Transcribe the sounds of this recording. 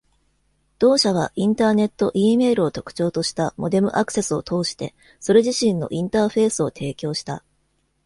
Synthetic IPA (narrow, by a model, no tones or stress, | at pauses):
d̪̥o̞ːɕaβ̞a̰ʔĩnt̪aːne̞t̪ːo̞ʔiːme̞ːɾɯo̞t̪o̞̥kɯ̟̥t͡ɕo̞ːt̪o̞ɕi̥t̪amo̞d̪e̞mɯ̟̰ʔakɯ̟̥se̞sɨo̞t̪ʰo̞ːɕi̥t̪e̞̰ | so̞ɾe̞ʑiɕĩnːo̞̰ʔĩnt̪aːɸe̞ːsɨo̞t̪ʰe̞ːkʲo̞ːɕi̥t̪a